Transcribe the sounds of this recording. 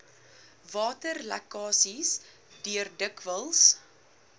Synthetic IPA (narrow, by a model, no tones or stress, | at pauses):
vɑːtərlæ̰kɑːsis | dyərdəkvəlˠs